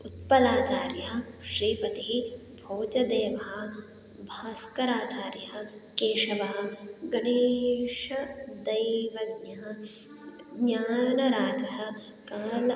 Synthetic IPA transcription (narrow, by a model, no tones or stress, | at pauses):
ut̪̚pɐlaːt͡ʃaːɾjɐɦɐ̆ʃɾiːpɐt̪iɦi | bʱoːt͡ʃɐd̪eːʋɐɦɐ̆ | bʱaːskɐɾaːt͡ʃaːɾjɐɦɐ̆keːʃɐʋɐɦɐ̆ɡɐneːʃɐd̪ɐjʋɐɡnɐɦɐ̆ | ɡɲaːnɐɾaːd͡ʒɐɦɐ̆ | kaːlɐ